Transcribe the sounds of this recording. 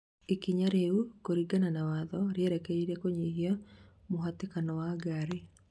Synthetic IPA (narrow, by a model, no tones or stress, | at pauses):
ekiɲaɾeukoɾiɡananawaðɔɾeeɾɛkɛiɾɛkoɲiɦjamoɦatekanɔwaɡaɾe